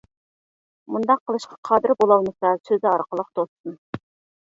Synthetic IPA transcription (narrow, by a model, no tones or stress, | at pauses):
mund̪ɑqʰːəlˠɨʃqʰɑ̥qʰɑd̪ɪɾbolˠɑlˠmɨsɑsøzɪɑɾqəlˠəq̚t̪ʰost̪ɨn